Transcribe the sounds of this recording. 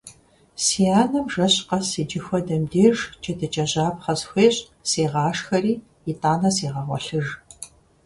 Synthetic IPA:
sijaːnɐmʒɐɕqɐsid͡ʒɪxʷɔdɐmdeːʐt͡ʃʼɐdʰɨt͡ʃʼɐʑaːpχɐsxʷeːɕʼ | seːʁɑːʂxɐriː | itʼaːnɐseːʁɐʁʷɔ̰ɬɨʒ

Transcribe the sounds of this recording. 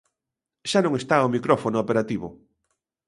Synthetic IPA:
ʃanõŋest̪aomikɾɔfonʊopeɾat̪iβʊ̰

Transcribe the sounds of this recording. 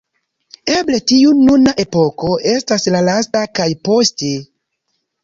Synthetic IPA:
eble̞tiununaʔe̞po̞ko̞ʔe̞staslalastakajpo̞ste

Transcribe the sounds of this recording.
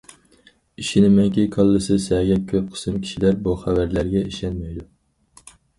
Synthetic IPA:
iʃinɪmɛŋkʲikʰɑlˠːɨsɨsɛːɡʲɛt̪̚kʲʰøp̚qʰə̥sɨmkʲʰi̥ʃilæɾbuχævæɾlæɾɡʲɛiʃɛnmɛjd̪u

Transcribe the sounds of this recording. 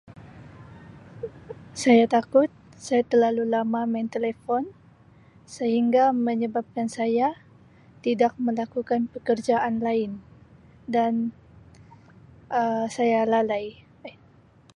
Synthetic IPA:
sajat̪akʊt̪̚ | sajat̪ərlalulamamant̪elefɔn | səhiŋɡaməɲəbap̚kansaja | t̪idak̚məlakukanpəkərd͡ʒaʔanlaɪn | dan | ʔəsajalalaj

